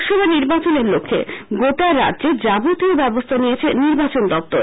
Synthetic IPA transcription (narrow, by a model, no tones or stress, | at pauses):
ʃɔbʱaeniɾbat͡ɕoneɾlokʰːḛɡot̪aeɾːa̰dd͡ʑed͡ʑabut̪iobɛbost̪ʰanijet͡ɕʰeniɾbat͡ɕond̪ɔp̚t̪oɾ